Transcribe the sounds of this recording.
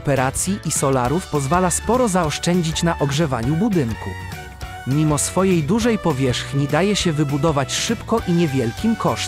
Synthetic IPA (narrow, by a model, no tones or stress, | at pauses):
ɔpɛɾat̪sʲjiʔisɔlaɾufpɔzvalaspɔɾɔzaɔʂt͡ʂɛɲd͡ʑit͡ɕnaʔɔɡʐɛva̰ɲubud̪ɘŋkṵ | mʲimɔsfɔjejd̪uʐɛjpɔvʲjɛʂxɲid̪ajɛɕɛvɘbud̪ɔvat͡ɕʂɘpkɔʔiɲɛvʲjɛlkʲimkɔʂ